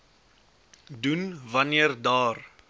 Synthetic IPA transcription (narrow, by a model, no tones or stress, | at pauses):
dunvɐniərdɑːr